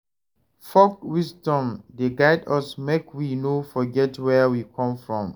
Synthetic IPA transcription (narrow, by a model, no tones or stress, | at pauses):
fɔkwisdɔ̃mdeɡaɪdɔsmekʰwinofɔɡɛtwɛwikʰɔ̃mfɹɔ̃m